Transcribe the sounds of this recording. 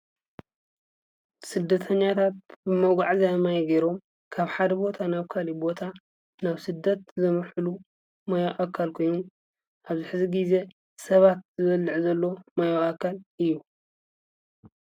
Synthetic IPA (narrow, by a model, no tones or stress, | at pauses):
sɨd̪ːɐt̪ʰɐɲːat̪ʰat̪̚bɨmɐɡʷaʕzamajɡeɾo̞m | kʰaβħad̪ɐbo̞t̪ʰanaβkʰalibo̞t̪ʰa | naβsɨd̪ːɐt̪zɐmɨħulu | mɐjoʔakʰːalkʰo̞jnun | ʔaβzɨħɨziɡize̞ | sɐβat̪̚zɨβɐlːɨʕzɐlːo̞mɐjoʔakʰːalʔɨjːu